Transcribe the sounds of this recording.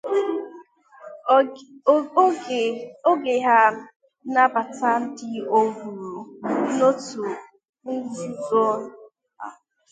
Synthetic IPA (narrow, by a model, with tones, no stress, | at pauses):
o˦ɡe˨ɦa˦m̩˦ | na˦ba˨ta˦n̩˦dɪ˦o˦ɡu˨ɾu˨no˦tu˨ | ŋ̩˦ɡu˦dɔ˦ | a̰˨